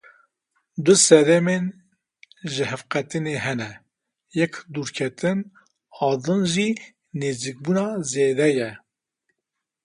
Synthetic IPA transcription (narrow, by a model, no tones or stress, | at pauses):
d̪ʊsɛd̪ɛmen | ʒɪɦɛfqɛt̪ɨneɦɛnɛ | jɛkd̪uːɾkʰɛt̪ʰɨn | ɑːd̪ɨnʒi | neːzik̚bunɑzeːd̪ɛjɛ